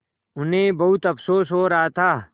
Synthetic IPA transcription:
ʊnɦẽbɐɦʊt̪ɐfsoːsɦoːɾɐɦat̪ʰaː

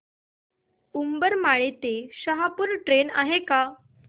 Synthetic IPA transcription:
umbəɾmaɭit̪eɕəɦapuɾʈɾena̰ɦeka

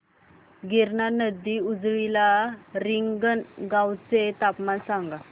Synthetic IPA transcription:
ɡiɾnanəd̪ːiud͡zʋilaɾiŋɡənɡãwt͡set̪apmansaŋɡa

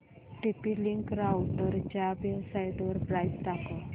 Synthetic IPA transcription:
ʈipiliŋkɾawʈəɾt͡ɕjaʋebsajiʈʋəɾpɾajst̪akə

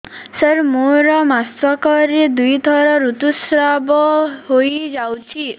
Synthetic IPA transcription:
səɾmoɾɔmastɔkɔɾed̪ujd̪ʱɔɾɔɾut̪usɾabɔɦojd͡ʒawt͡ʃʰi

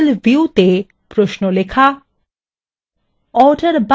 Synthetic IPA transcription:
lviut̪e | pɾoʃnolekʰa | ɔɾɖaɾba

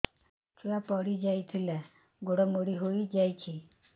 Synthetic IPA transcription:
tʰiʋapɔɽid͡ʒajt̪ʰila | ɡʱoɽɔmoɽiɦoid͡ʒajt͡ʃʰi

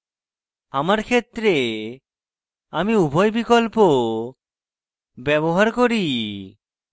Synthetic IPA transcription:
amaɾkʰet̪ːɾe | amiubʱɔjbikolpo | bɛβoɦaɾkoɾi

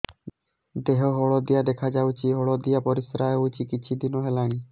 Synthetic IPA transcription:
d̪eɦɔɦɔɭɔd̪ijad̪ekʰad͡ʒawt͡ʃʰiɦɔɭɔd̪ijapɔɾisɾaɦewt͡ʃʰikit͡ʃʰid̪inɔɦelañi

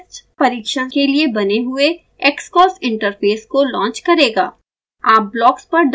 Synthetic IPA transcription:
t͡ʃpɐɾiːkʃãkeliebɐneɦʊe | ɛːkskɔːsɪ̃ɳʈəɾfeːskolɔ̃ːɲt͡ʃkɐɾeːɡaː | aːp̚blɔːkspɐɾɖ

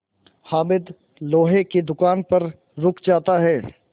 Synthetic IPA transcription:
haːmɪd̪ | loːɦeked̪ʊkaːnpɐɾ | ɾʊkʰd͡ʒaːt̪aɦɛː

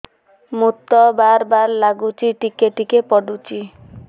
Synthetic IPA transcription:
mut̪ːɔbaɾbaɾlaɡut͡ʃiʈikeʈikepɔɖut͡ʃi

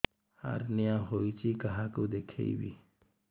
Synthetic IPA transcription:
ha̰ɾnijãɦojt͡ʃikaɦakud̪ekʰḛjbḭ

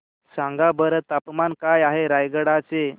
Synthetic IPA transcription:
sãŋɡabəɾət̪apmankajaɦeɾajɡəɽat͡se

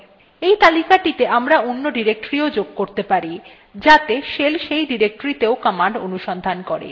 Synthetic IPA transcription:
ejt̪alikaʈit̪eʔamɾaonːoɖiɾek̚ʈoɾiod͡ʑoɡ̚koɾt̪epaɾi | d͡ʑat̪eʃelʃejɖiɾek̚ʈoɾit̪eokɔmaɳɖo̰nuʃɔnd̪ʱankɔɾḛ

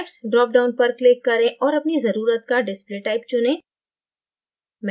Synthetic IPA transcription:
fsɖɾɔːk̚ɖaːʊnpɐɾklɪkːɐɾẽʔɔːɾɐpnizɐɾuːɾət̪̚kaɖɪspɾeːʈːaːɪp̚t͡ʃʊnẽː | m

